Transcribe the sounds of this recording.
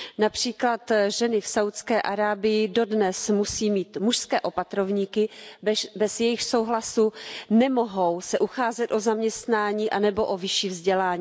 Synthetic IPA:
napr̝̥iːklat̪ʒɛnɪfsawt̪skɛːʔaɾaːbɪjɪdo̞dnɛsmusiːmiːt̪muʃskɛːʔo̞pat̪ɾovɲiːkɪ | bɛzjɛjɪxso̞wɦlasunɛmoɦowsɛʔuxaːzɛt̪ʔozamɲɛst̪naːɲiːʔanɛbo̞ʔovɪʃiːvzɟɛlaːɲiː

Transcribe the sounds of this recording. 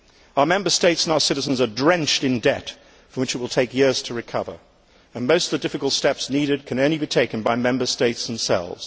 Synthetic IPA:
aʊəmɛ̃mbə˞steɪtsə̃n̩aʊə˞sɪɾɨzə̃n̩zədɹɛ̃nt͡ʃtɨ̃ndɛt | fə̃mwɨt͡ʃɨt̚wəlˠtʰeɪkjɪɹz̥tʰəɹɨkʰʌvə̰˞ | ɨ̃nmoʊstʌvðədɪfɨkl̩ˠtstɛpsniɾɨd̚kʰɨ̃nõʊ̃nlibitʰeɪkɨ̃nbaɪmɛ̃mbə˞steɪtsð̃m̩sɛ̰lˠvz̥

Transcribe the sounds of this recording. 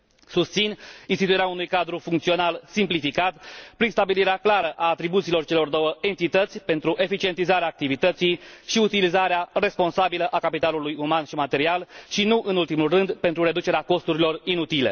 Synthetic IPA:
sust̪sininst̪it̪ueɾeaunujkad̪ɾufuŋkt̪sio̞nalsimplifikat̪pɾinst̪abiliɾeaklaɾəʔaːt̪ɾibut̪silo̞rt͡ʃe̞lo̞rd̪o̞wəe̞nt̪it̪ət̪sʲpe̞nt̪ɾuʔe̞fit͡ʃient̪izaɾeaːk̚t̪ivit̪ət̪sijʃiut̪ilizaɾeare̞spo̞nsabiləʔakapit̪alulujumanʃimat̪e̞ɾialʃinuʔɨnult̪imulrɨnd̪pe̞nt̪ɾuɾe̞d̪ut͡ʃeɾeako̞st̪uɾilo̞rinut̪ile̞̰

